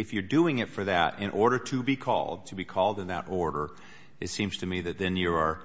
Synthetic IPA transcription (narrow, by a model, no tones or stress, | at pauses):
ɨfjə˞duɪ̃ŋɪtfə˞ðɨ̰ɾɪ̰̃ñʔɔɹɾə˞ɾɨbikʰɔ̰lˠd̚tʰɨbikʰɔlˠdɨ̃nðə̰ɾɔɹɾə˞ | ɨtsĩmz̥tʰɨmiðɨt̪̚ðɨ̃njə˞ə˞